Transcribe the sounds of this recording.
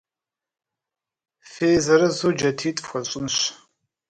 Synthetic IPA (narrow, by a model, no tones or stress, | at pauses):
feːzɐɾɐzoːd͡ʒɐtʰiːtʼxʷɐɕʼɪnɕ